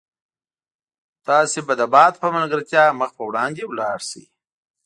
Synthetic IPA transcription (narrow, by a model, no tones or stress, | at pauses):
t̪ɑsebad̪abɑt̪̚pəməlɡəɾt̪ʲjɑməxpəwɽɑnd̪ewlɑɽsḭ